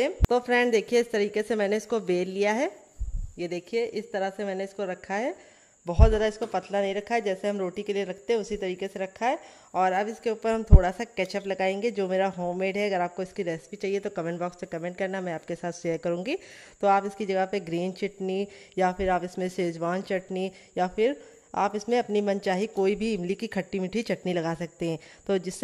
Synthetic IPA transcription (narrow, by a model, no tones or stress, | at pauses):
et̪oːfɾɛ̃ːɳɖd̪eːkʰieɪst̪ɐɾiːkesemɛːneɪskobeːlːijaɦɛː | jed̪eːkʰieʔɪst̪ɐɾaɦsemɛːneɪskoɾɐkʰːaɦɛː | bɐɦʊt̪zjaːd̪aɪskopɐt̪lanɐɦĩɾɐkʰːaɦɛd͡ʒɛːseɦɐmɾoːʈikelieɾɐkʰt̪eɦɛ̃ʊsit̪ɐɾiːkeseɾɐkʰːaɦɛː | ɔːɾɐbɪskeuːpəɾɦɐmt̪ʰoːɽasakɛːt͡ʃəplɐɡaːẽːŋɡed͡ʒoːmeːɾaɦoːmeːɖɦɛɐɡəɾaːp̚koɪskiɾɛːspit͡ʃaːɦiet̪okɐmɛ̃ɳʈbɔːkspekɐmẽːɳʈ̚kɐɾnamɛ̃aːp̚kesaːt̪ʰʃeːəɾkɐɾũːŋɡi | t̪oaːpɪskid͡ʒɐɡəɦpeɡɾiːnt͡ʃɪʈnijafʰɪɾaːpɪsmẽseːd͡ʒwaːnt͡ʃɐʈni | jafɪɾ | a̰ːpɪsmẽɐpnimɐnt͡ʃaːɦikoːibʱiɪmlikikʰɐʈːimɪʈʰit͡ʃɐʈnilɐɡaːsɐk̚t̪eɦɛ̃ːt̪oːd͡ʒɪsːe